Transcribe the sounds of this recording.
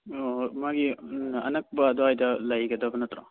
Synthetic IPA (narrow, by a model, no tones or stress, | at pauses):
omaɡiɐ̰nɐk̚bɐːd̪ohajdɐlɐjɡɐdɐbɐnɐt̪ɾɔ